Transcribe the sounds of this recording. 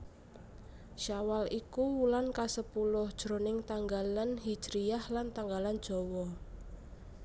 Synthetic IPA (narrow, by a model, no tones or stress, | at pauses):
ʃawalikuwulankasəpulʊhd̥ʒ̥ɾo̤nɪŋt̪aŋɡalanɦid̥ʒ̥ɾiahlant̪aŋɡaland̥ʒ̥ɔ̤wɔ